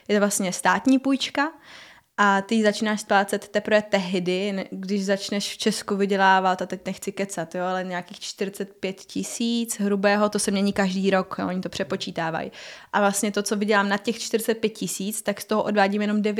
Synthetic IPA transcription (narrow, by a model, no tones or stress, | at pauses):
jɛt̪ovlast̪ɲɛst̪aːt̪ɲiːpujt͡ʃka | ʔat̪ɪzat͡ʃiːnaːʃsplaːt͡sɛt̪ːɛpɾvɛːt̪ɛɦdɪnɡdɪʃzat͡ʃnɛʃft͡ʃɛskuvɪɟɛlaːvat̪at̪ɛc̚nɛxt͡sɪkɛt͡sat̪joalɛɲaːkiːxt͡ʃt̪ɪɾɪt͡sɛt̪pjɛt̪cɪsiːt͡sɦɾubɛːɦo̞t̪osɛmɲɛɲiːkaʒdiːɾokjo̰ʔoɲɪt̪o̞pr̥ɛpo̞t͡ʃiːt̪aːva̰j̰ʔavlast̪ɲɛt̪o̞t͡so̞vɪɟɛlaːmnat̪̚cɛxt͡ʃt̪ɪɾɪt͡sɛt̪̚pjɛt̪̚cɪsiːt͡st̪akst̪oɦoʔo̞dvaːɟimjɛno̞mdɛvjɛ